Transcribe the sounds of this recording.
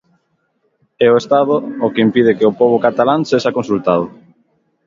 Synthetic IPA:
ɛoest̪aðʊːkɪimpið̞ɪkeʊpɔβ̞ʊkat̪alaŋseʃakonsult̪aðʊ

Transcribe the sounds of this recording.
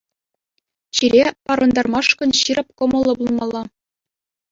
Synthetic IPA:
ɕiɾʲepɑɾɤ̆nd̪ɑrmɑʂkɤ̆nɕirɤ̆p̚kŏmɤ̆lˠːɤ̆bulˠmɑlˠːɑ

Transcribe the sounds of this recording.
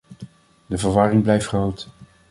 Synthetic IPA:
dəvəɹʋɑrɪŋblɛjftχrowt

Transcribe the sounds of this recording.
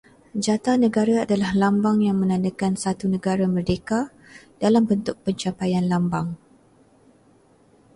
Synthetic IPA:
d͡ʒat̪anə̃ɡaɾaadalahlambaŋjaŋmə̃nãndəkansat̪unə̃ɡaɾamərdeka | d̥alambənt̪ʊk̚pəɲt͡ʃapajanlambaŋ

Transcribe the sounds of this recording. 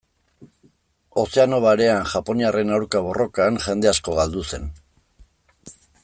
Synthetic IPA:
o̞se̞ano̞βaɾe̞anʝapo̞niare̞nawɾkaβ̞o̞ro̞kanʝe̞nd̪e̞asko̞ɣald̪use̞n

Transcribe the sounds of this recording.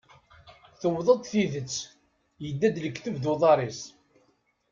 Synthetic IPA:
θəwðˤəd̪ˤθiðət͡sː | jəd̪ːæd̪ləkːθəvd̪uðˤɑɾˤis

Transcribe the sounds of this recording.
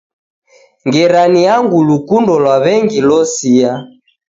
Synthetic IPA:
ŋɡɛɾaniaŋɡulukundɔlwaβɛŋɡilɔsia

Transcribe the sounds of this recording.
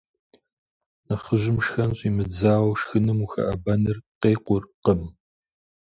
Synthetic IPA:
nɐχəʒɪmʃxɐnɕʼiːmɨd͡zaːwʃxɨnɨmuxɐ̰ʔɐbɐnɨrqeːqʷʊrqəm

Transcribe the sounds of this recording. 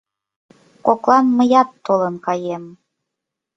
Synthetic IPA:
koklˠɑnmə̆jɑt̪ːolənkɑjem

